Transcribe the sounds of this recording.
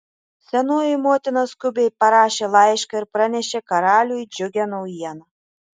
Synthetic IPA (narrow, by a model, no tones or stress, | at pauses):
sʲɛnoːjɪmoːt̪ʲɪnɐskʊbʲejpɐɾɑːʃʲelˠɑjʃkɑɪɾpɾɐnʲɛʃʲekɐɾɑːlʲujd͡ʒʲʊɡʲɛnɐʊjiɛnɐ